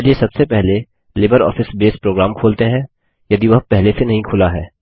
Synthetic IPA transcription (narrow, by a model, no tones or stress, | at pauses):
liesɐbsepɛɦle | lɪbəɾɔ̰ːfɪsbeːspɾoːɡɾaːmkʰoːlt̪eɦɛ̃ː | jɐd̪iʋɐɦpɛɦlesenɐɦĩkʰʊlaɦɛː